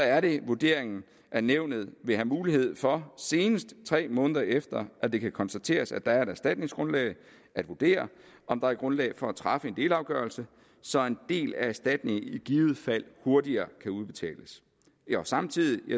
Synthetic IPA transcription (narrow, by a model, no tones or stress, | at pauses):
sɒæɐɾ̥e̝ʋud̥e̝ɐ̰e̝ŋn̩ | ʔæɐneʊ̰nð̞̩ˠʋe̝hæmuːlihe̝ð̞̰ˠfɒ̽se̝ːnəsd̥t͡sʰʁɛ̰ːmɔ̽ːnəðˠɐʔefd̥ɐʔæd̥e̝kʰækʰɒ̽nsd̥æt͡sʰe̝̰ːɐsæd̥ɑ̈æɐe̝ɾæsd̥æd̥̚ne̝ŋsɡ̥ʁɔ̽nlɛ̰ːɪ | ʔæd̥ʋuɐd̥e̝̰ːɐʔɒ̽md̥ɑ̈æɐɡ̥ʁɔ̽nlɛ̰ɪfɒ̽æt͡sʰʁɑ̈fəe̝nd̥e̝̰ːlɑ̈ʊɡ̥ɶɐlsə | sɒ̽e̝nd̥e̝̰ːlææsd̥æd̥ne̝ŋiɡ̥iːʊð̩ˠfæl̰ho̝ɐdiɐːkʰæuð̞ˠb̥e̝t͡sʰɛ̰ːləs | ɒsɑ̈mt͡sʰið̰ˠi